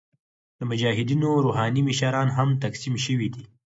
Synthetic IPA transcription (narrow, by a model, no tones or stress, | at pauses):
d̪əmʊd͡ʒɑɦɪd̪inoɾoɦɑnimɪʃɑɾɑnɦamt̪aksimʃəwid̪i